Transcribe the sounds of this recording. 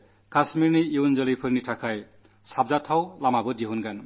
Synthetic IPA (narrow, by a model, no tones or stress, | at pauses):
kasmiɾniiwnd͡zʌlipʰɯɾniʈʰakʰaj | sab̚d͡zatʰawlamabʌdiɦunɡan